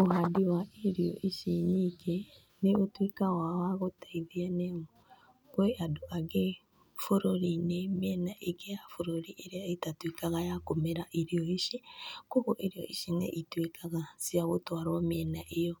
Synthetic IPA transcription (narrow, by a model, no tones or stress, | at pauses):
ohadiwaʔeɾioʔiʃinike | neotwikaɣwawaɣotaiðianeo | kweʔadoʔaɡe | foɾoɾinemjɛnaʔeɡejafoɾoɾiʔeɾeaetatwikaɣajakomeɾaʔiɾioiʃikoɣoʔeɾijɔ̰ʔiʃinḛʔitwekaɣasiaɣotwaɾɔmiɛnaʔejɔ